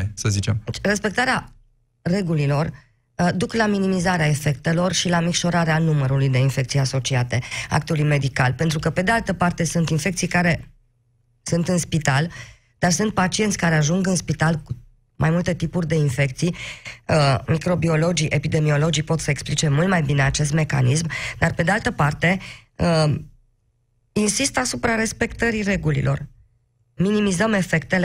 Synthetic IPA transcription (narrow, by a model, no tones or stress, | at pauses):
səzit͡ʃemre̞spe̞k̚t̪aɾea | re̞ɡulilo̞r | d̪uklaminimizaɾeae̞fe̞kt̪e̞lo̞rʃilamikʃo̞ɾaɾeanuməɾulujd̪e̞infe̞kt̪sijaso̞t͡ʃiat̪e̞a̰kt̪ulujme̞d̪ika̰lpe̞nt̪ɾukəpe̞d̪ealt̪əpart̪e̞sunt̪infe̞kt̪sijkaɾe̞ | sunt̪ɨnspit̪al | d̪̥arsunt̪̚pat͡ʃie̞nt̪sʲkaɾeaʒuŋɡɨnspit̪alku | mʔajmult̪e̞t̪ipurʲd̪e̞infe̞k̚t̪sijəmikɾo̞bio̞lo̞d͡ʒiʔepid̪e̞mio̞lo̞d͡ʒipo̞t̪səe̞ksplit͡ʃe̞mult̪majbine̞at͡ʃe̞s̬t̪me̞ka̰nismd̪arpe̞d̪ealt̪əpart̪e̞ | ə | insist̪asupɾaɾe̞spe̞kt̪əɾire̞ɡulḭlʔo̞̰r | minimizəme̞fe̞kt̪e̞le